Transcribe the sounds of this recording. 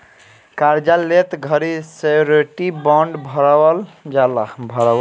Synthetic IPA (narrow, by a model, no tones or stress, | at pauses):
kaɾd͡ʒalːet̪ɡʱəɾiseɾeʈibɔɳɖbʱəɾld͡ʒalabʱəɾaə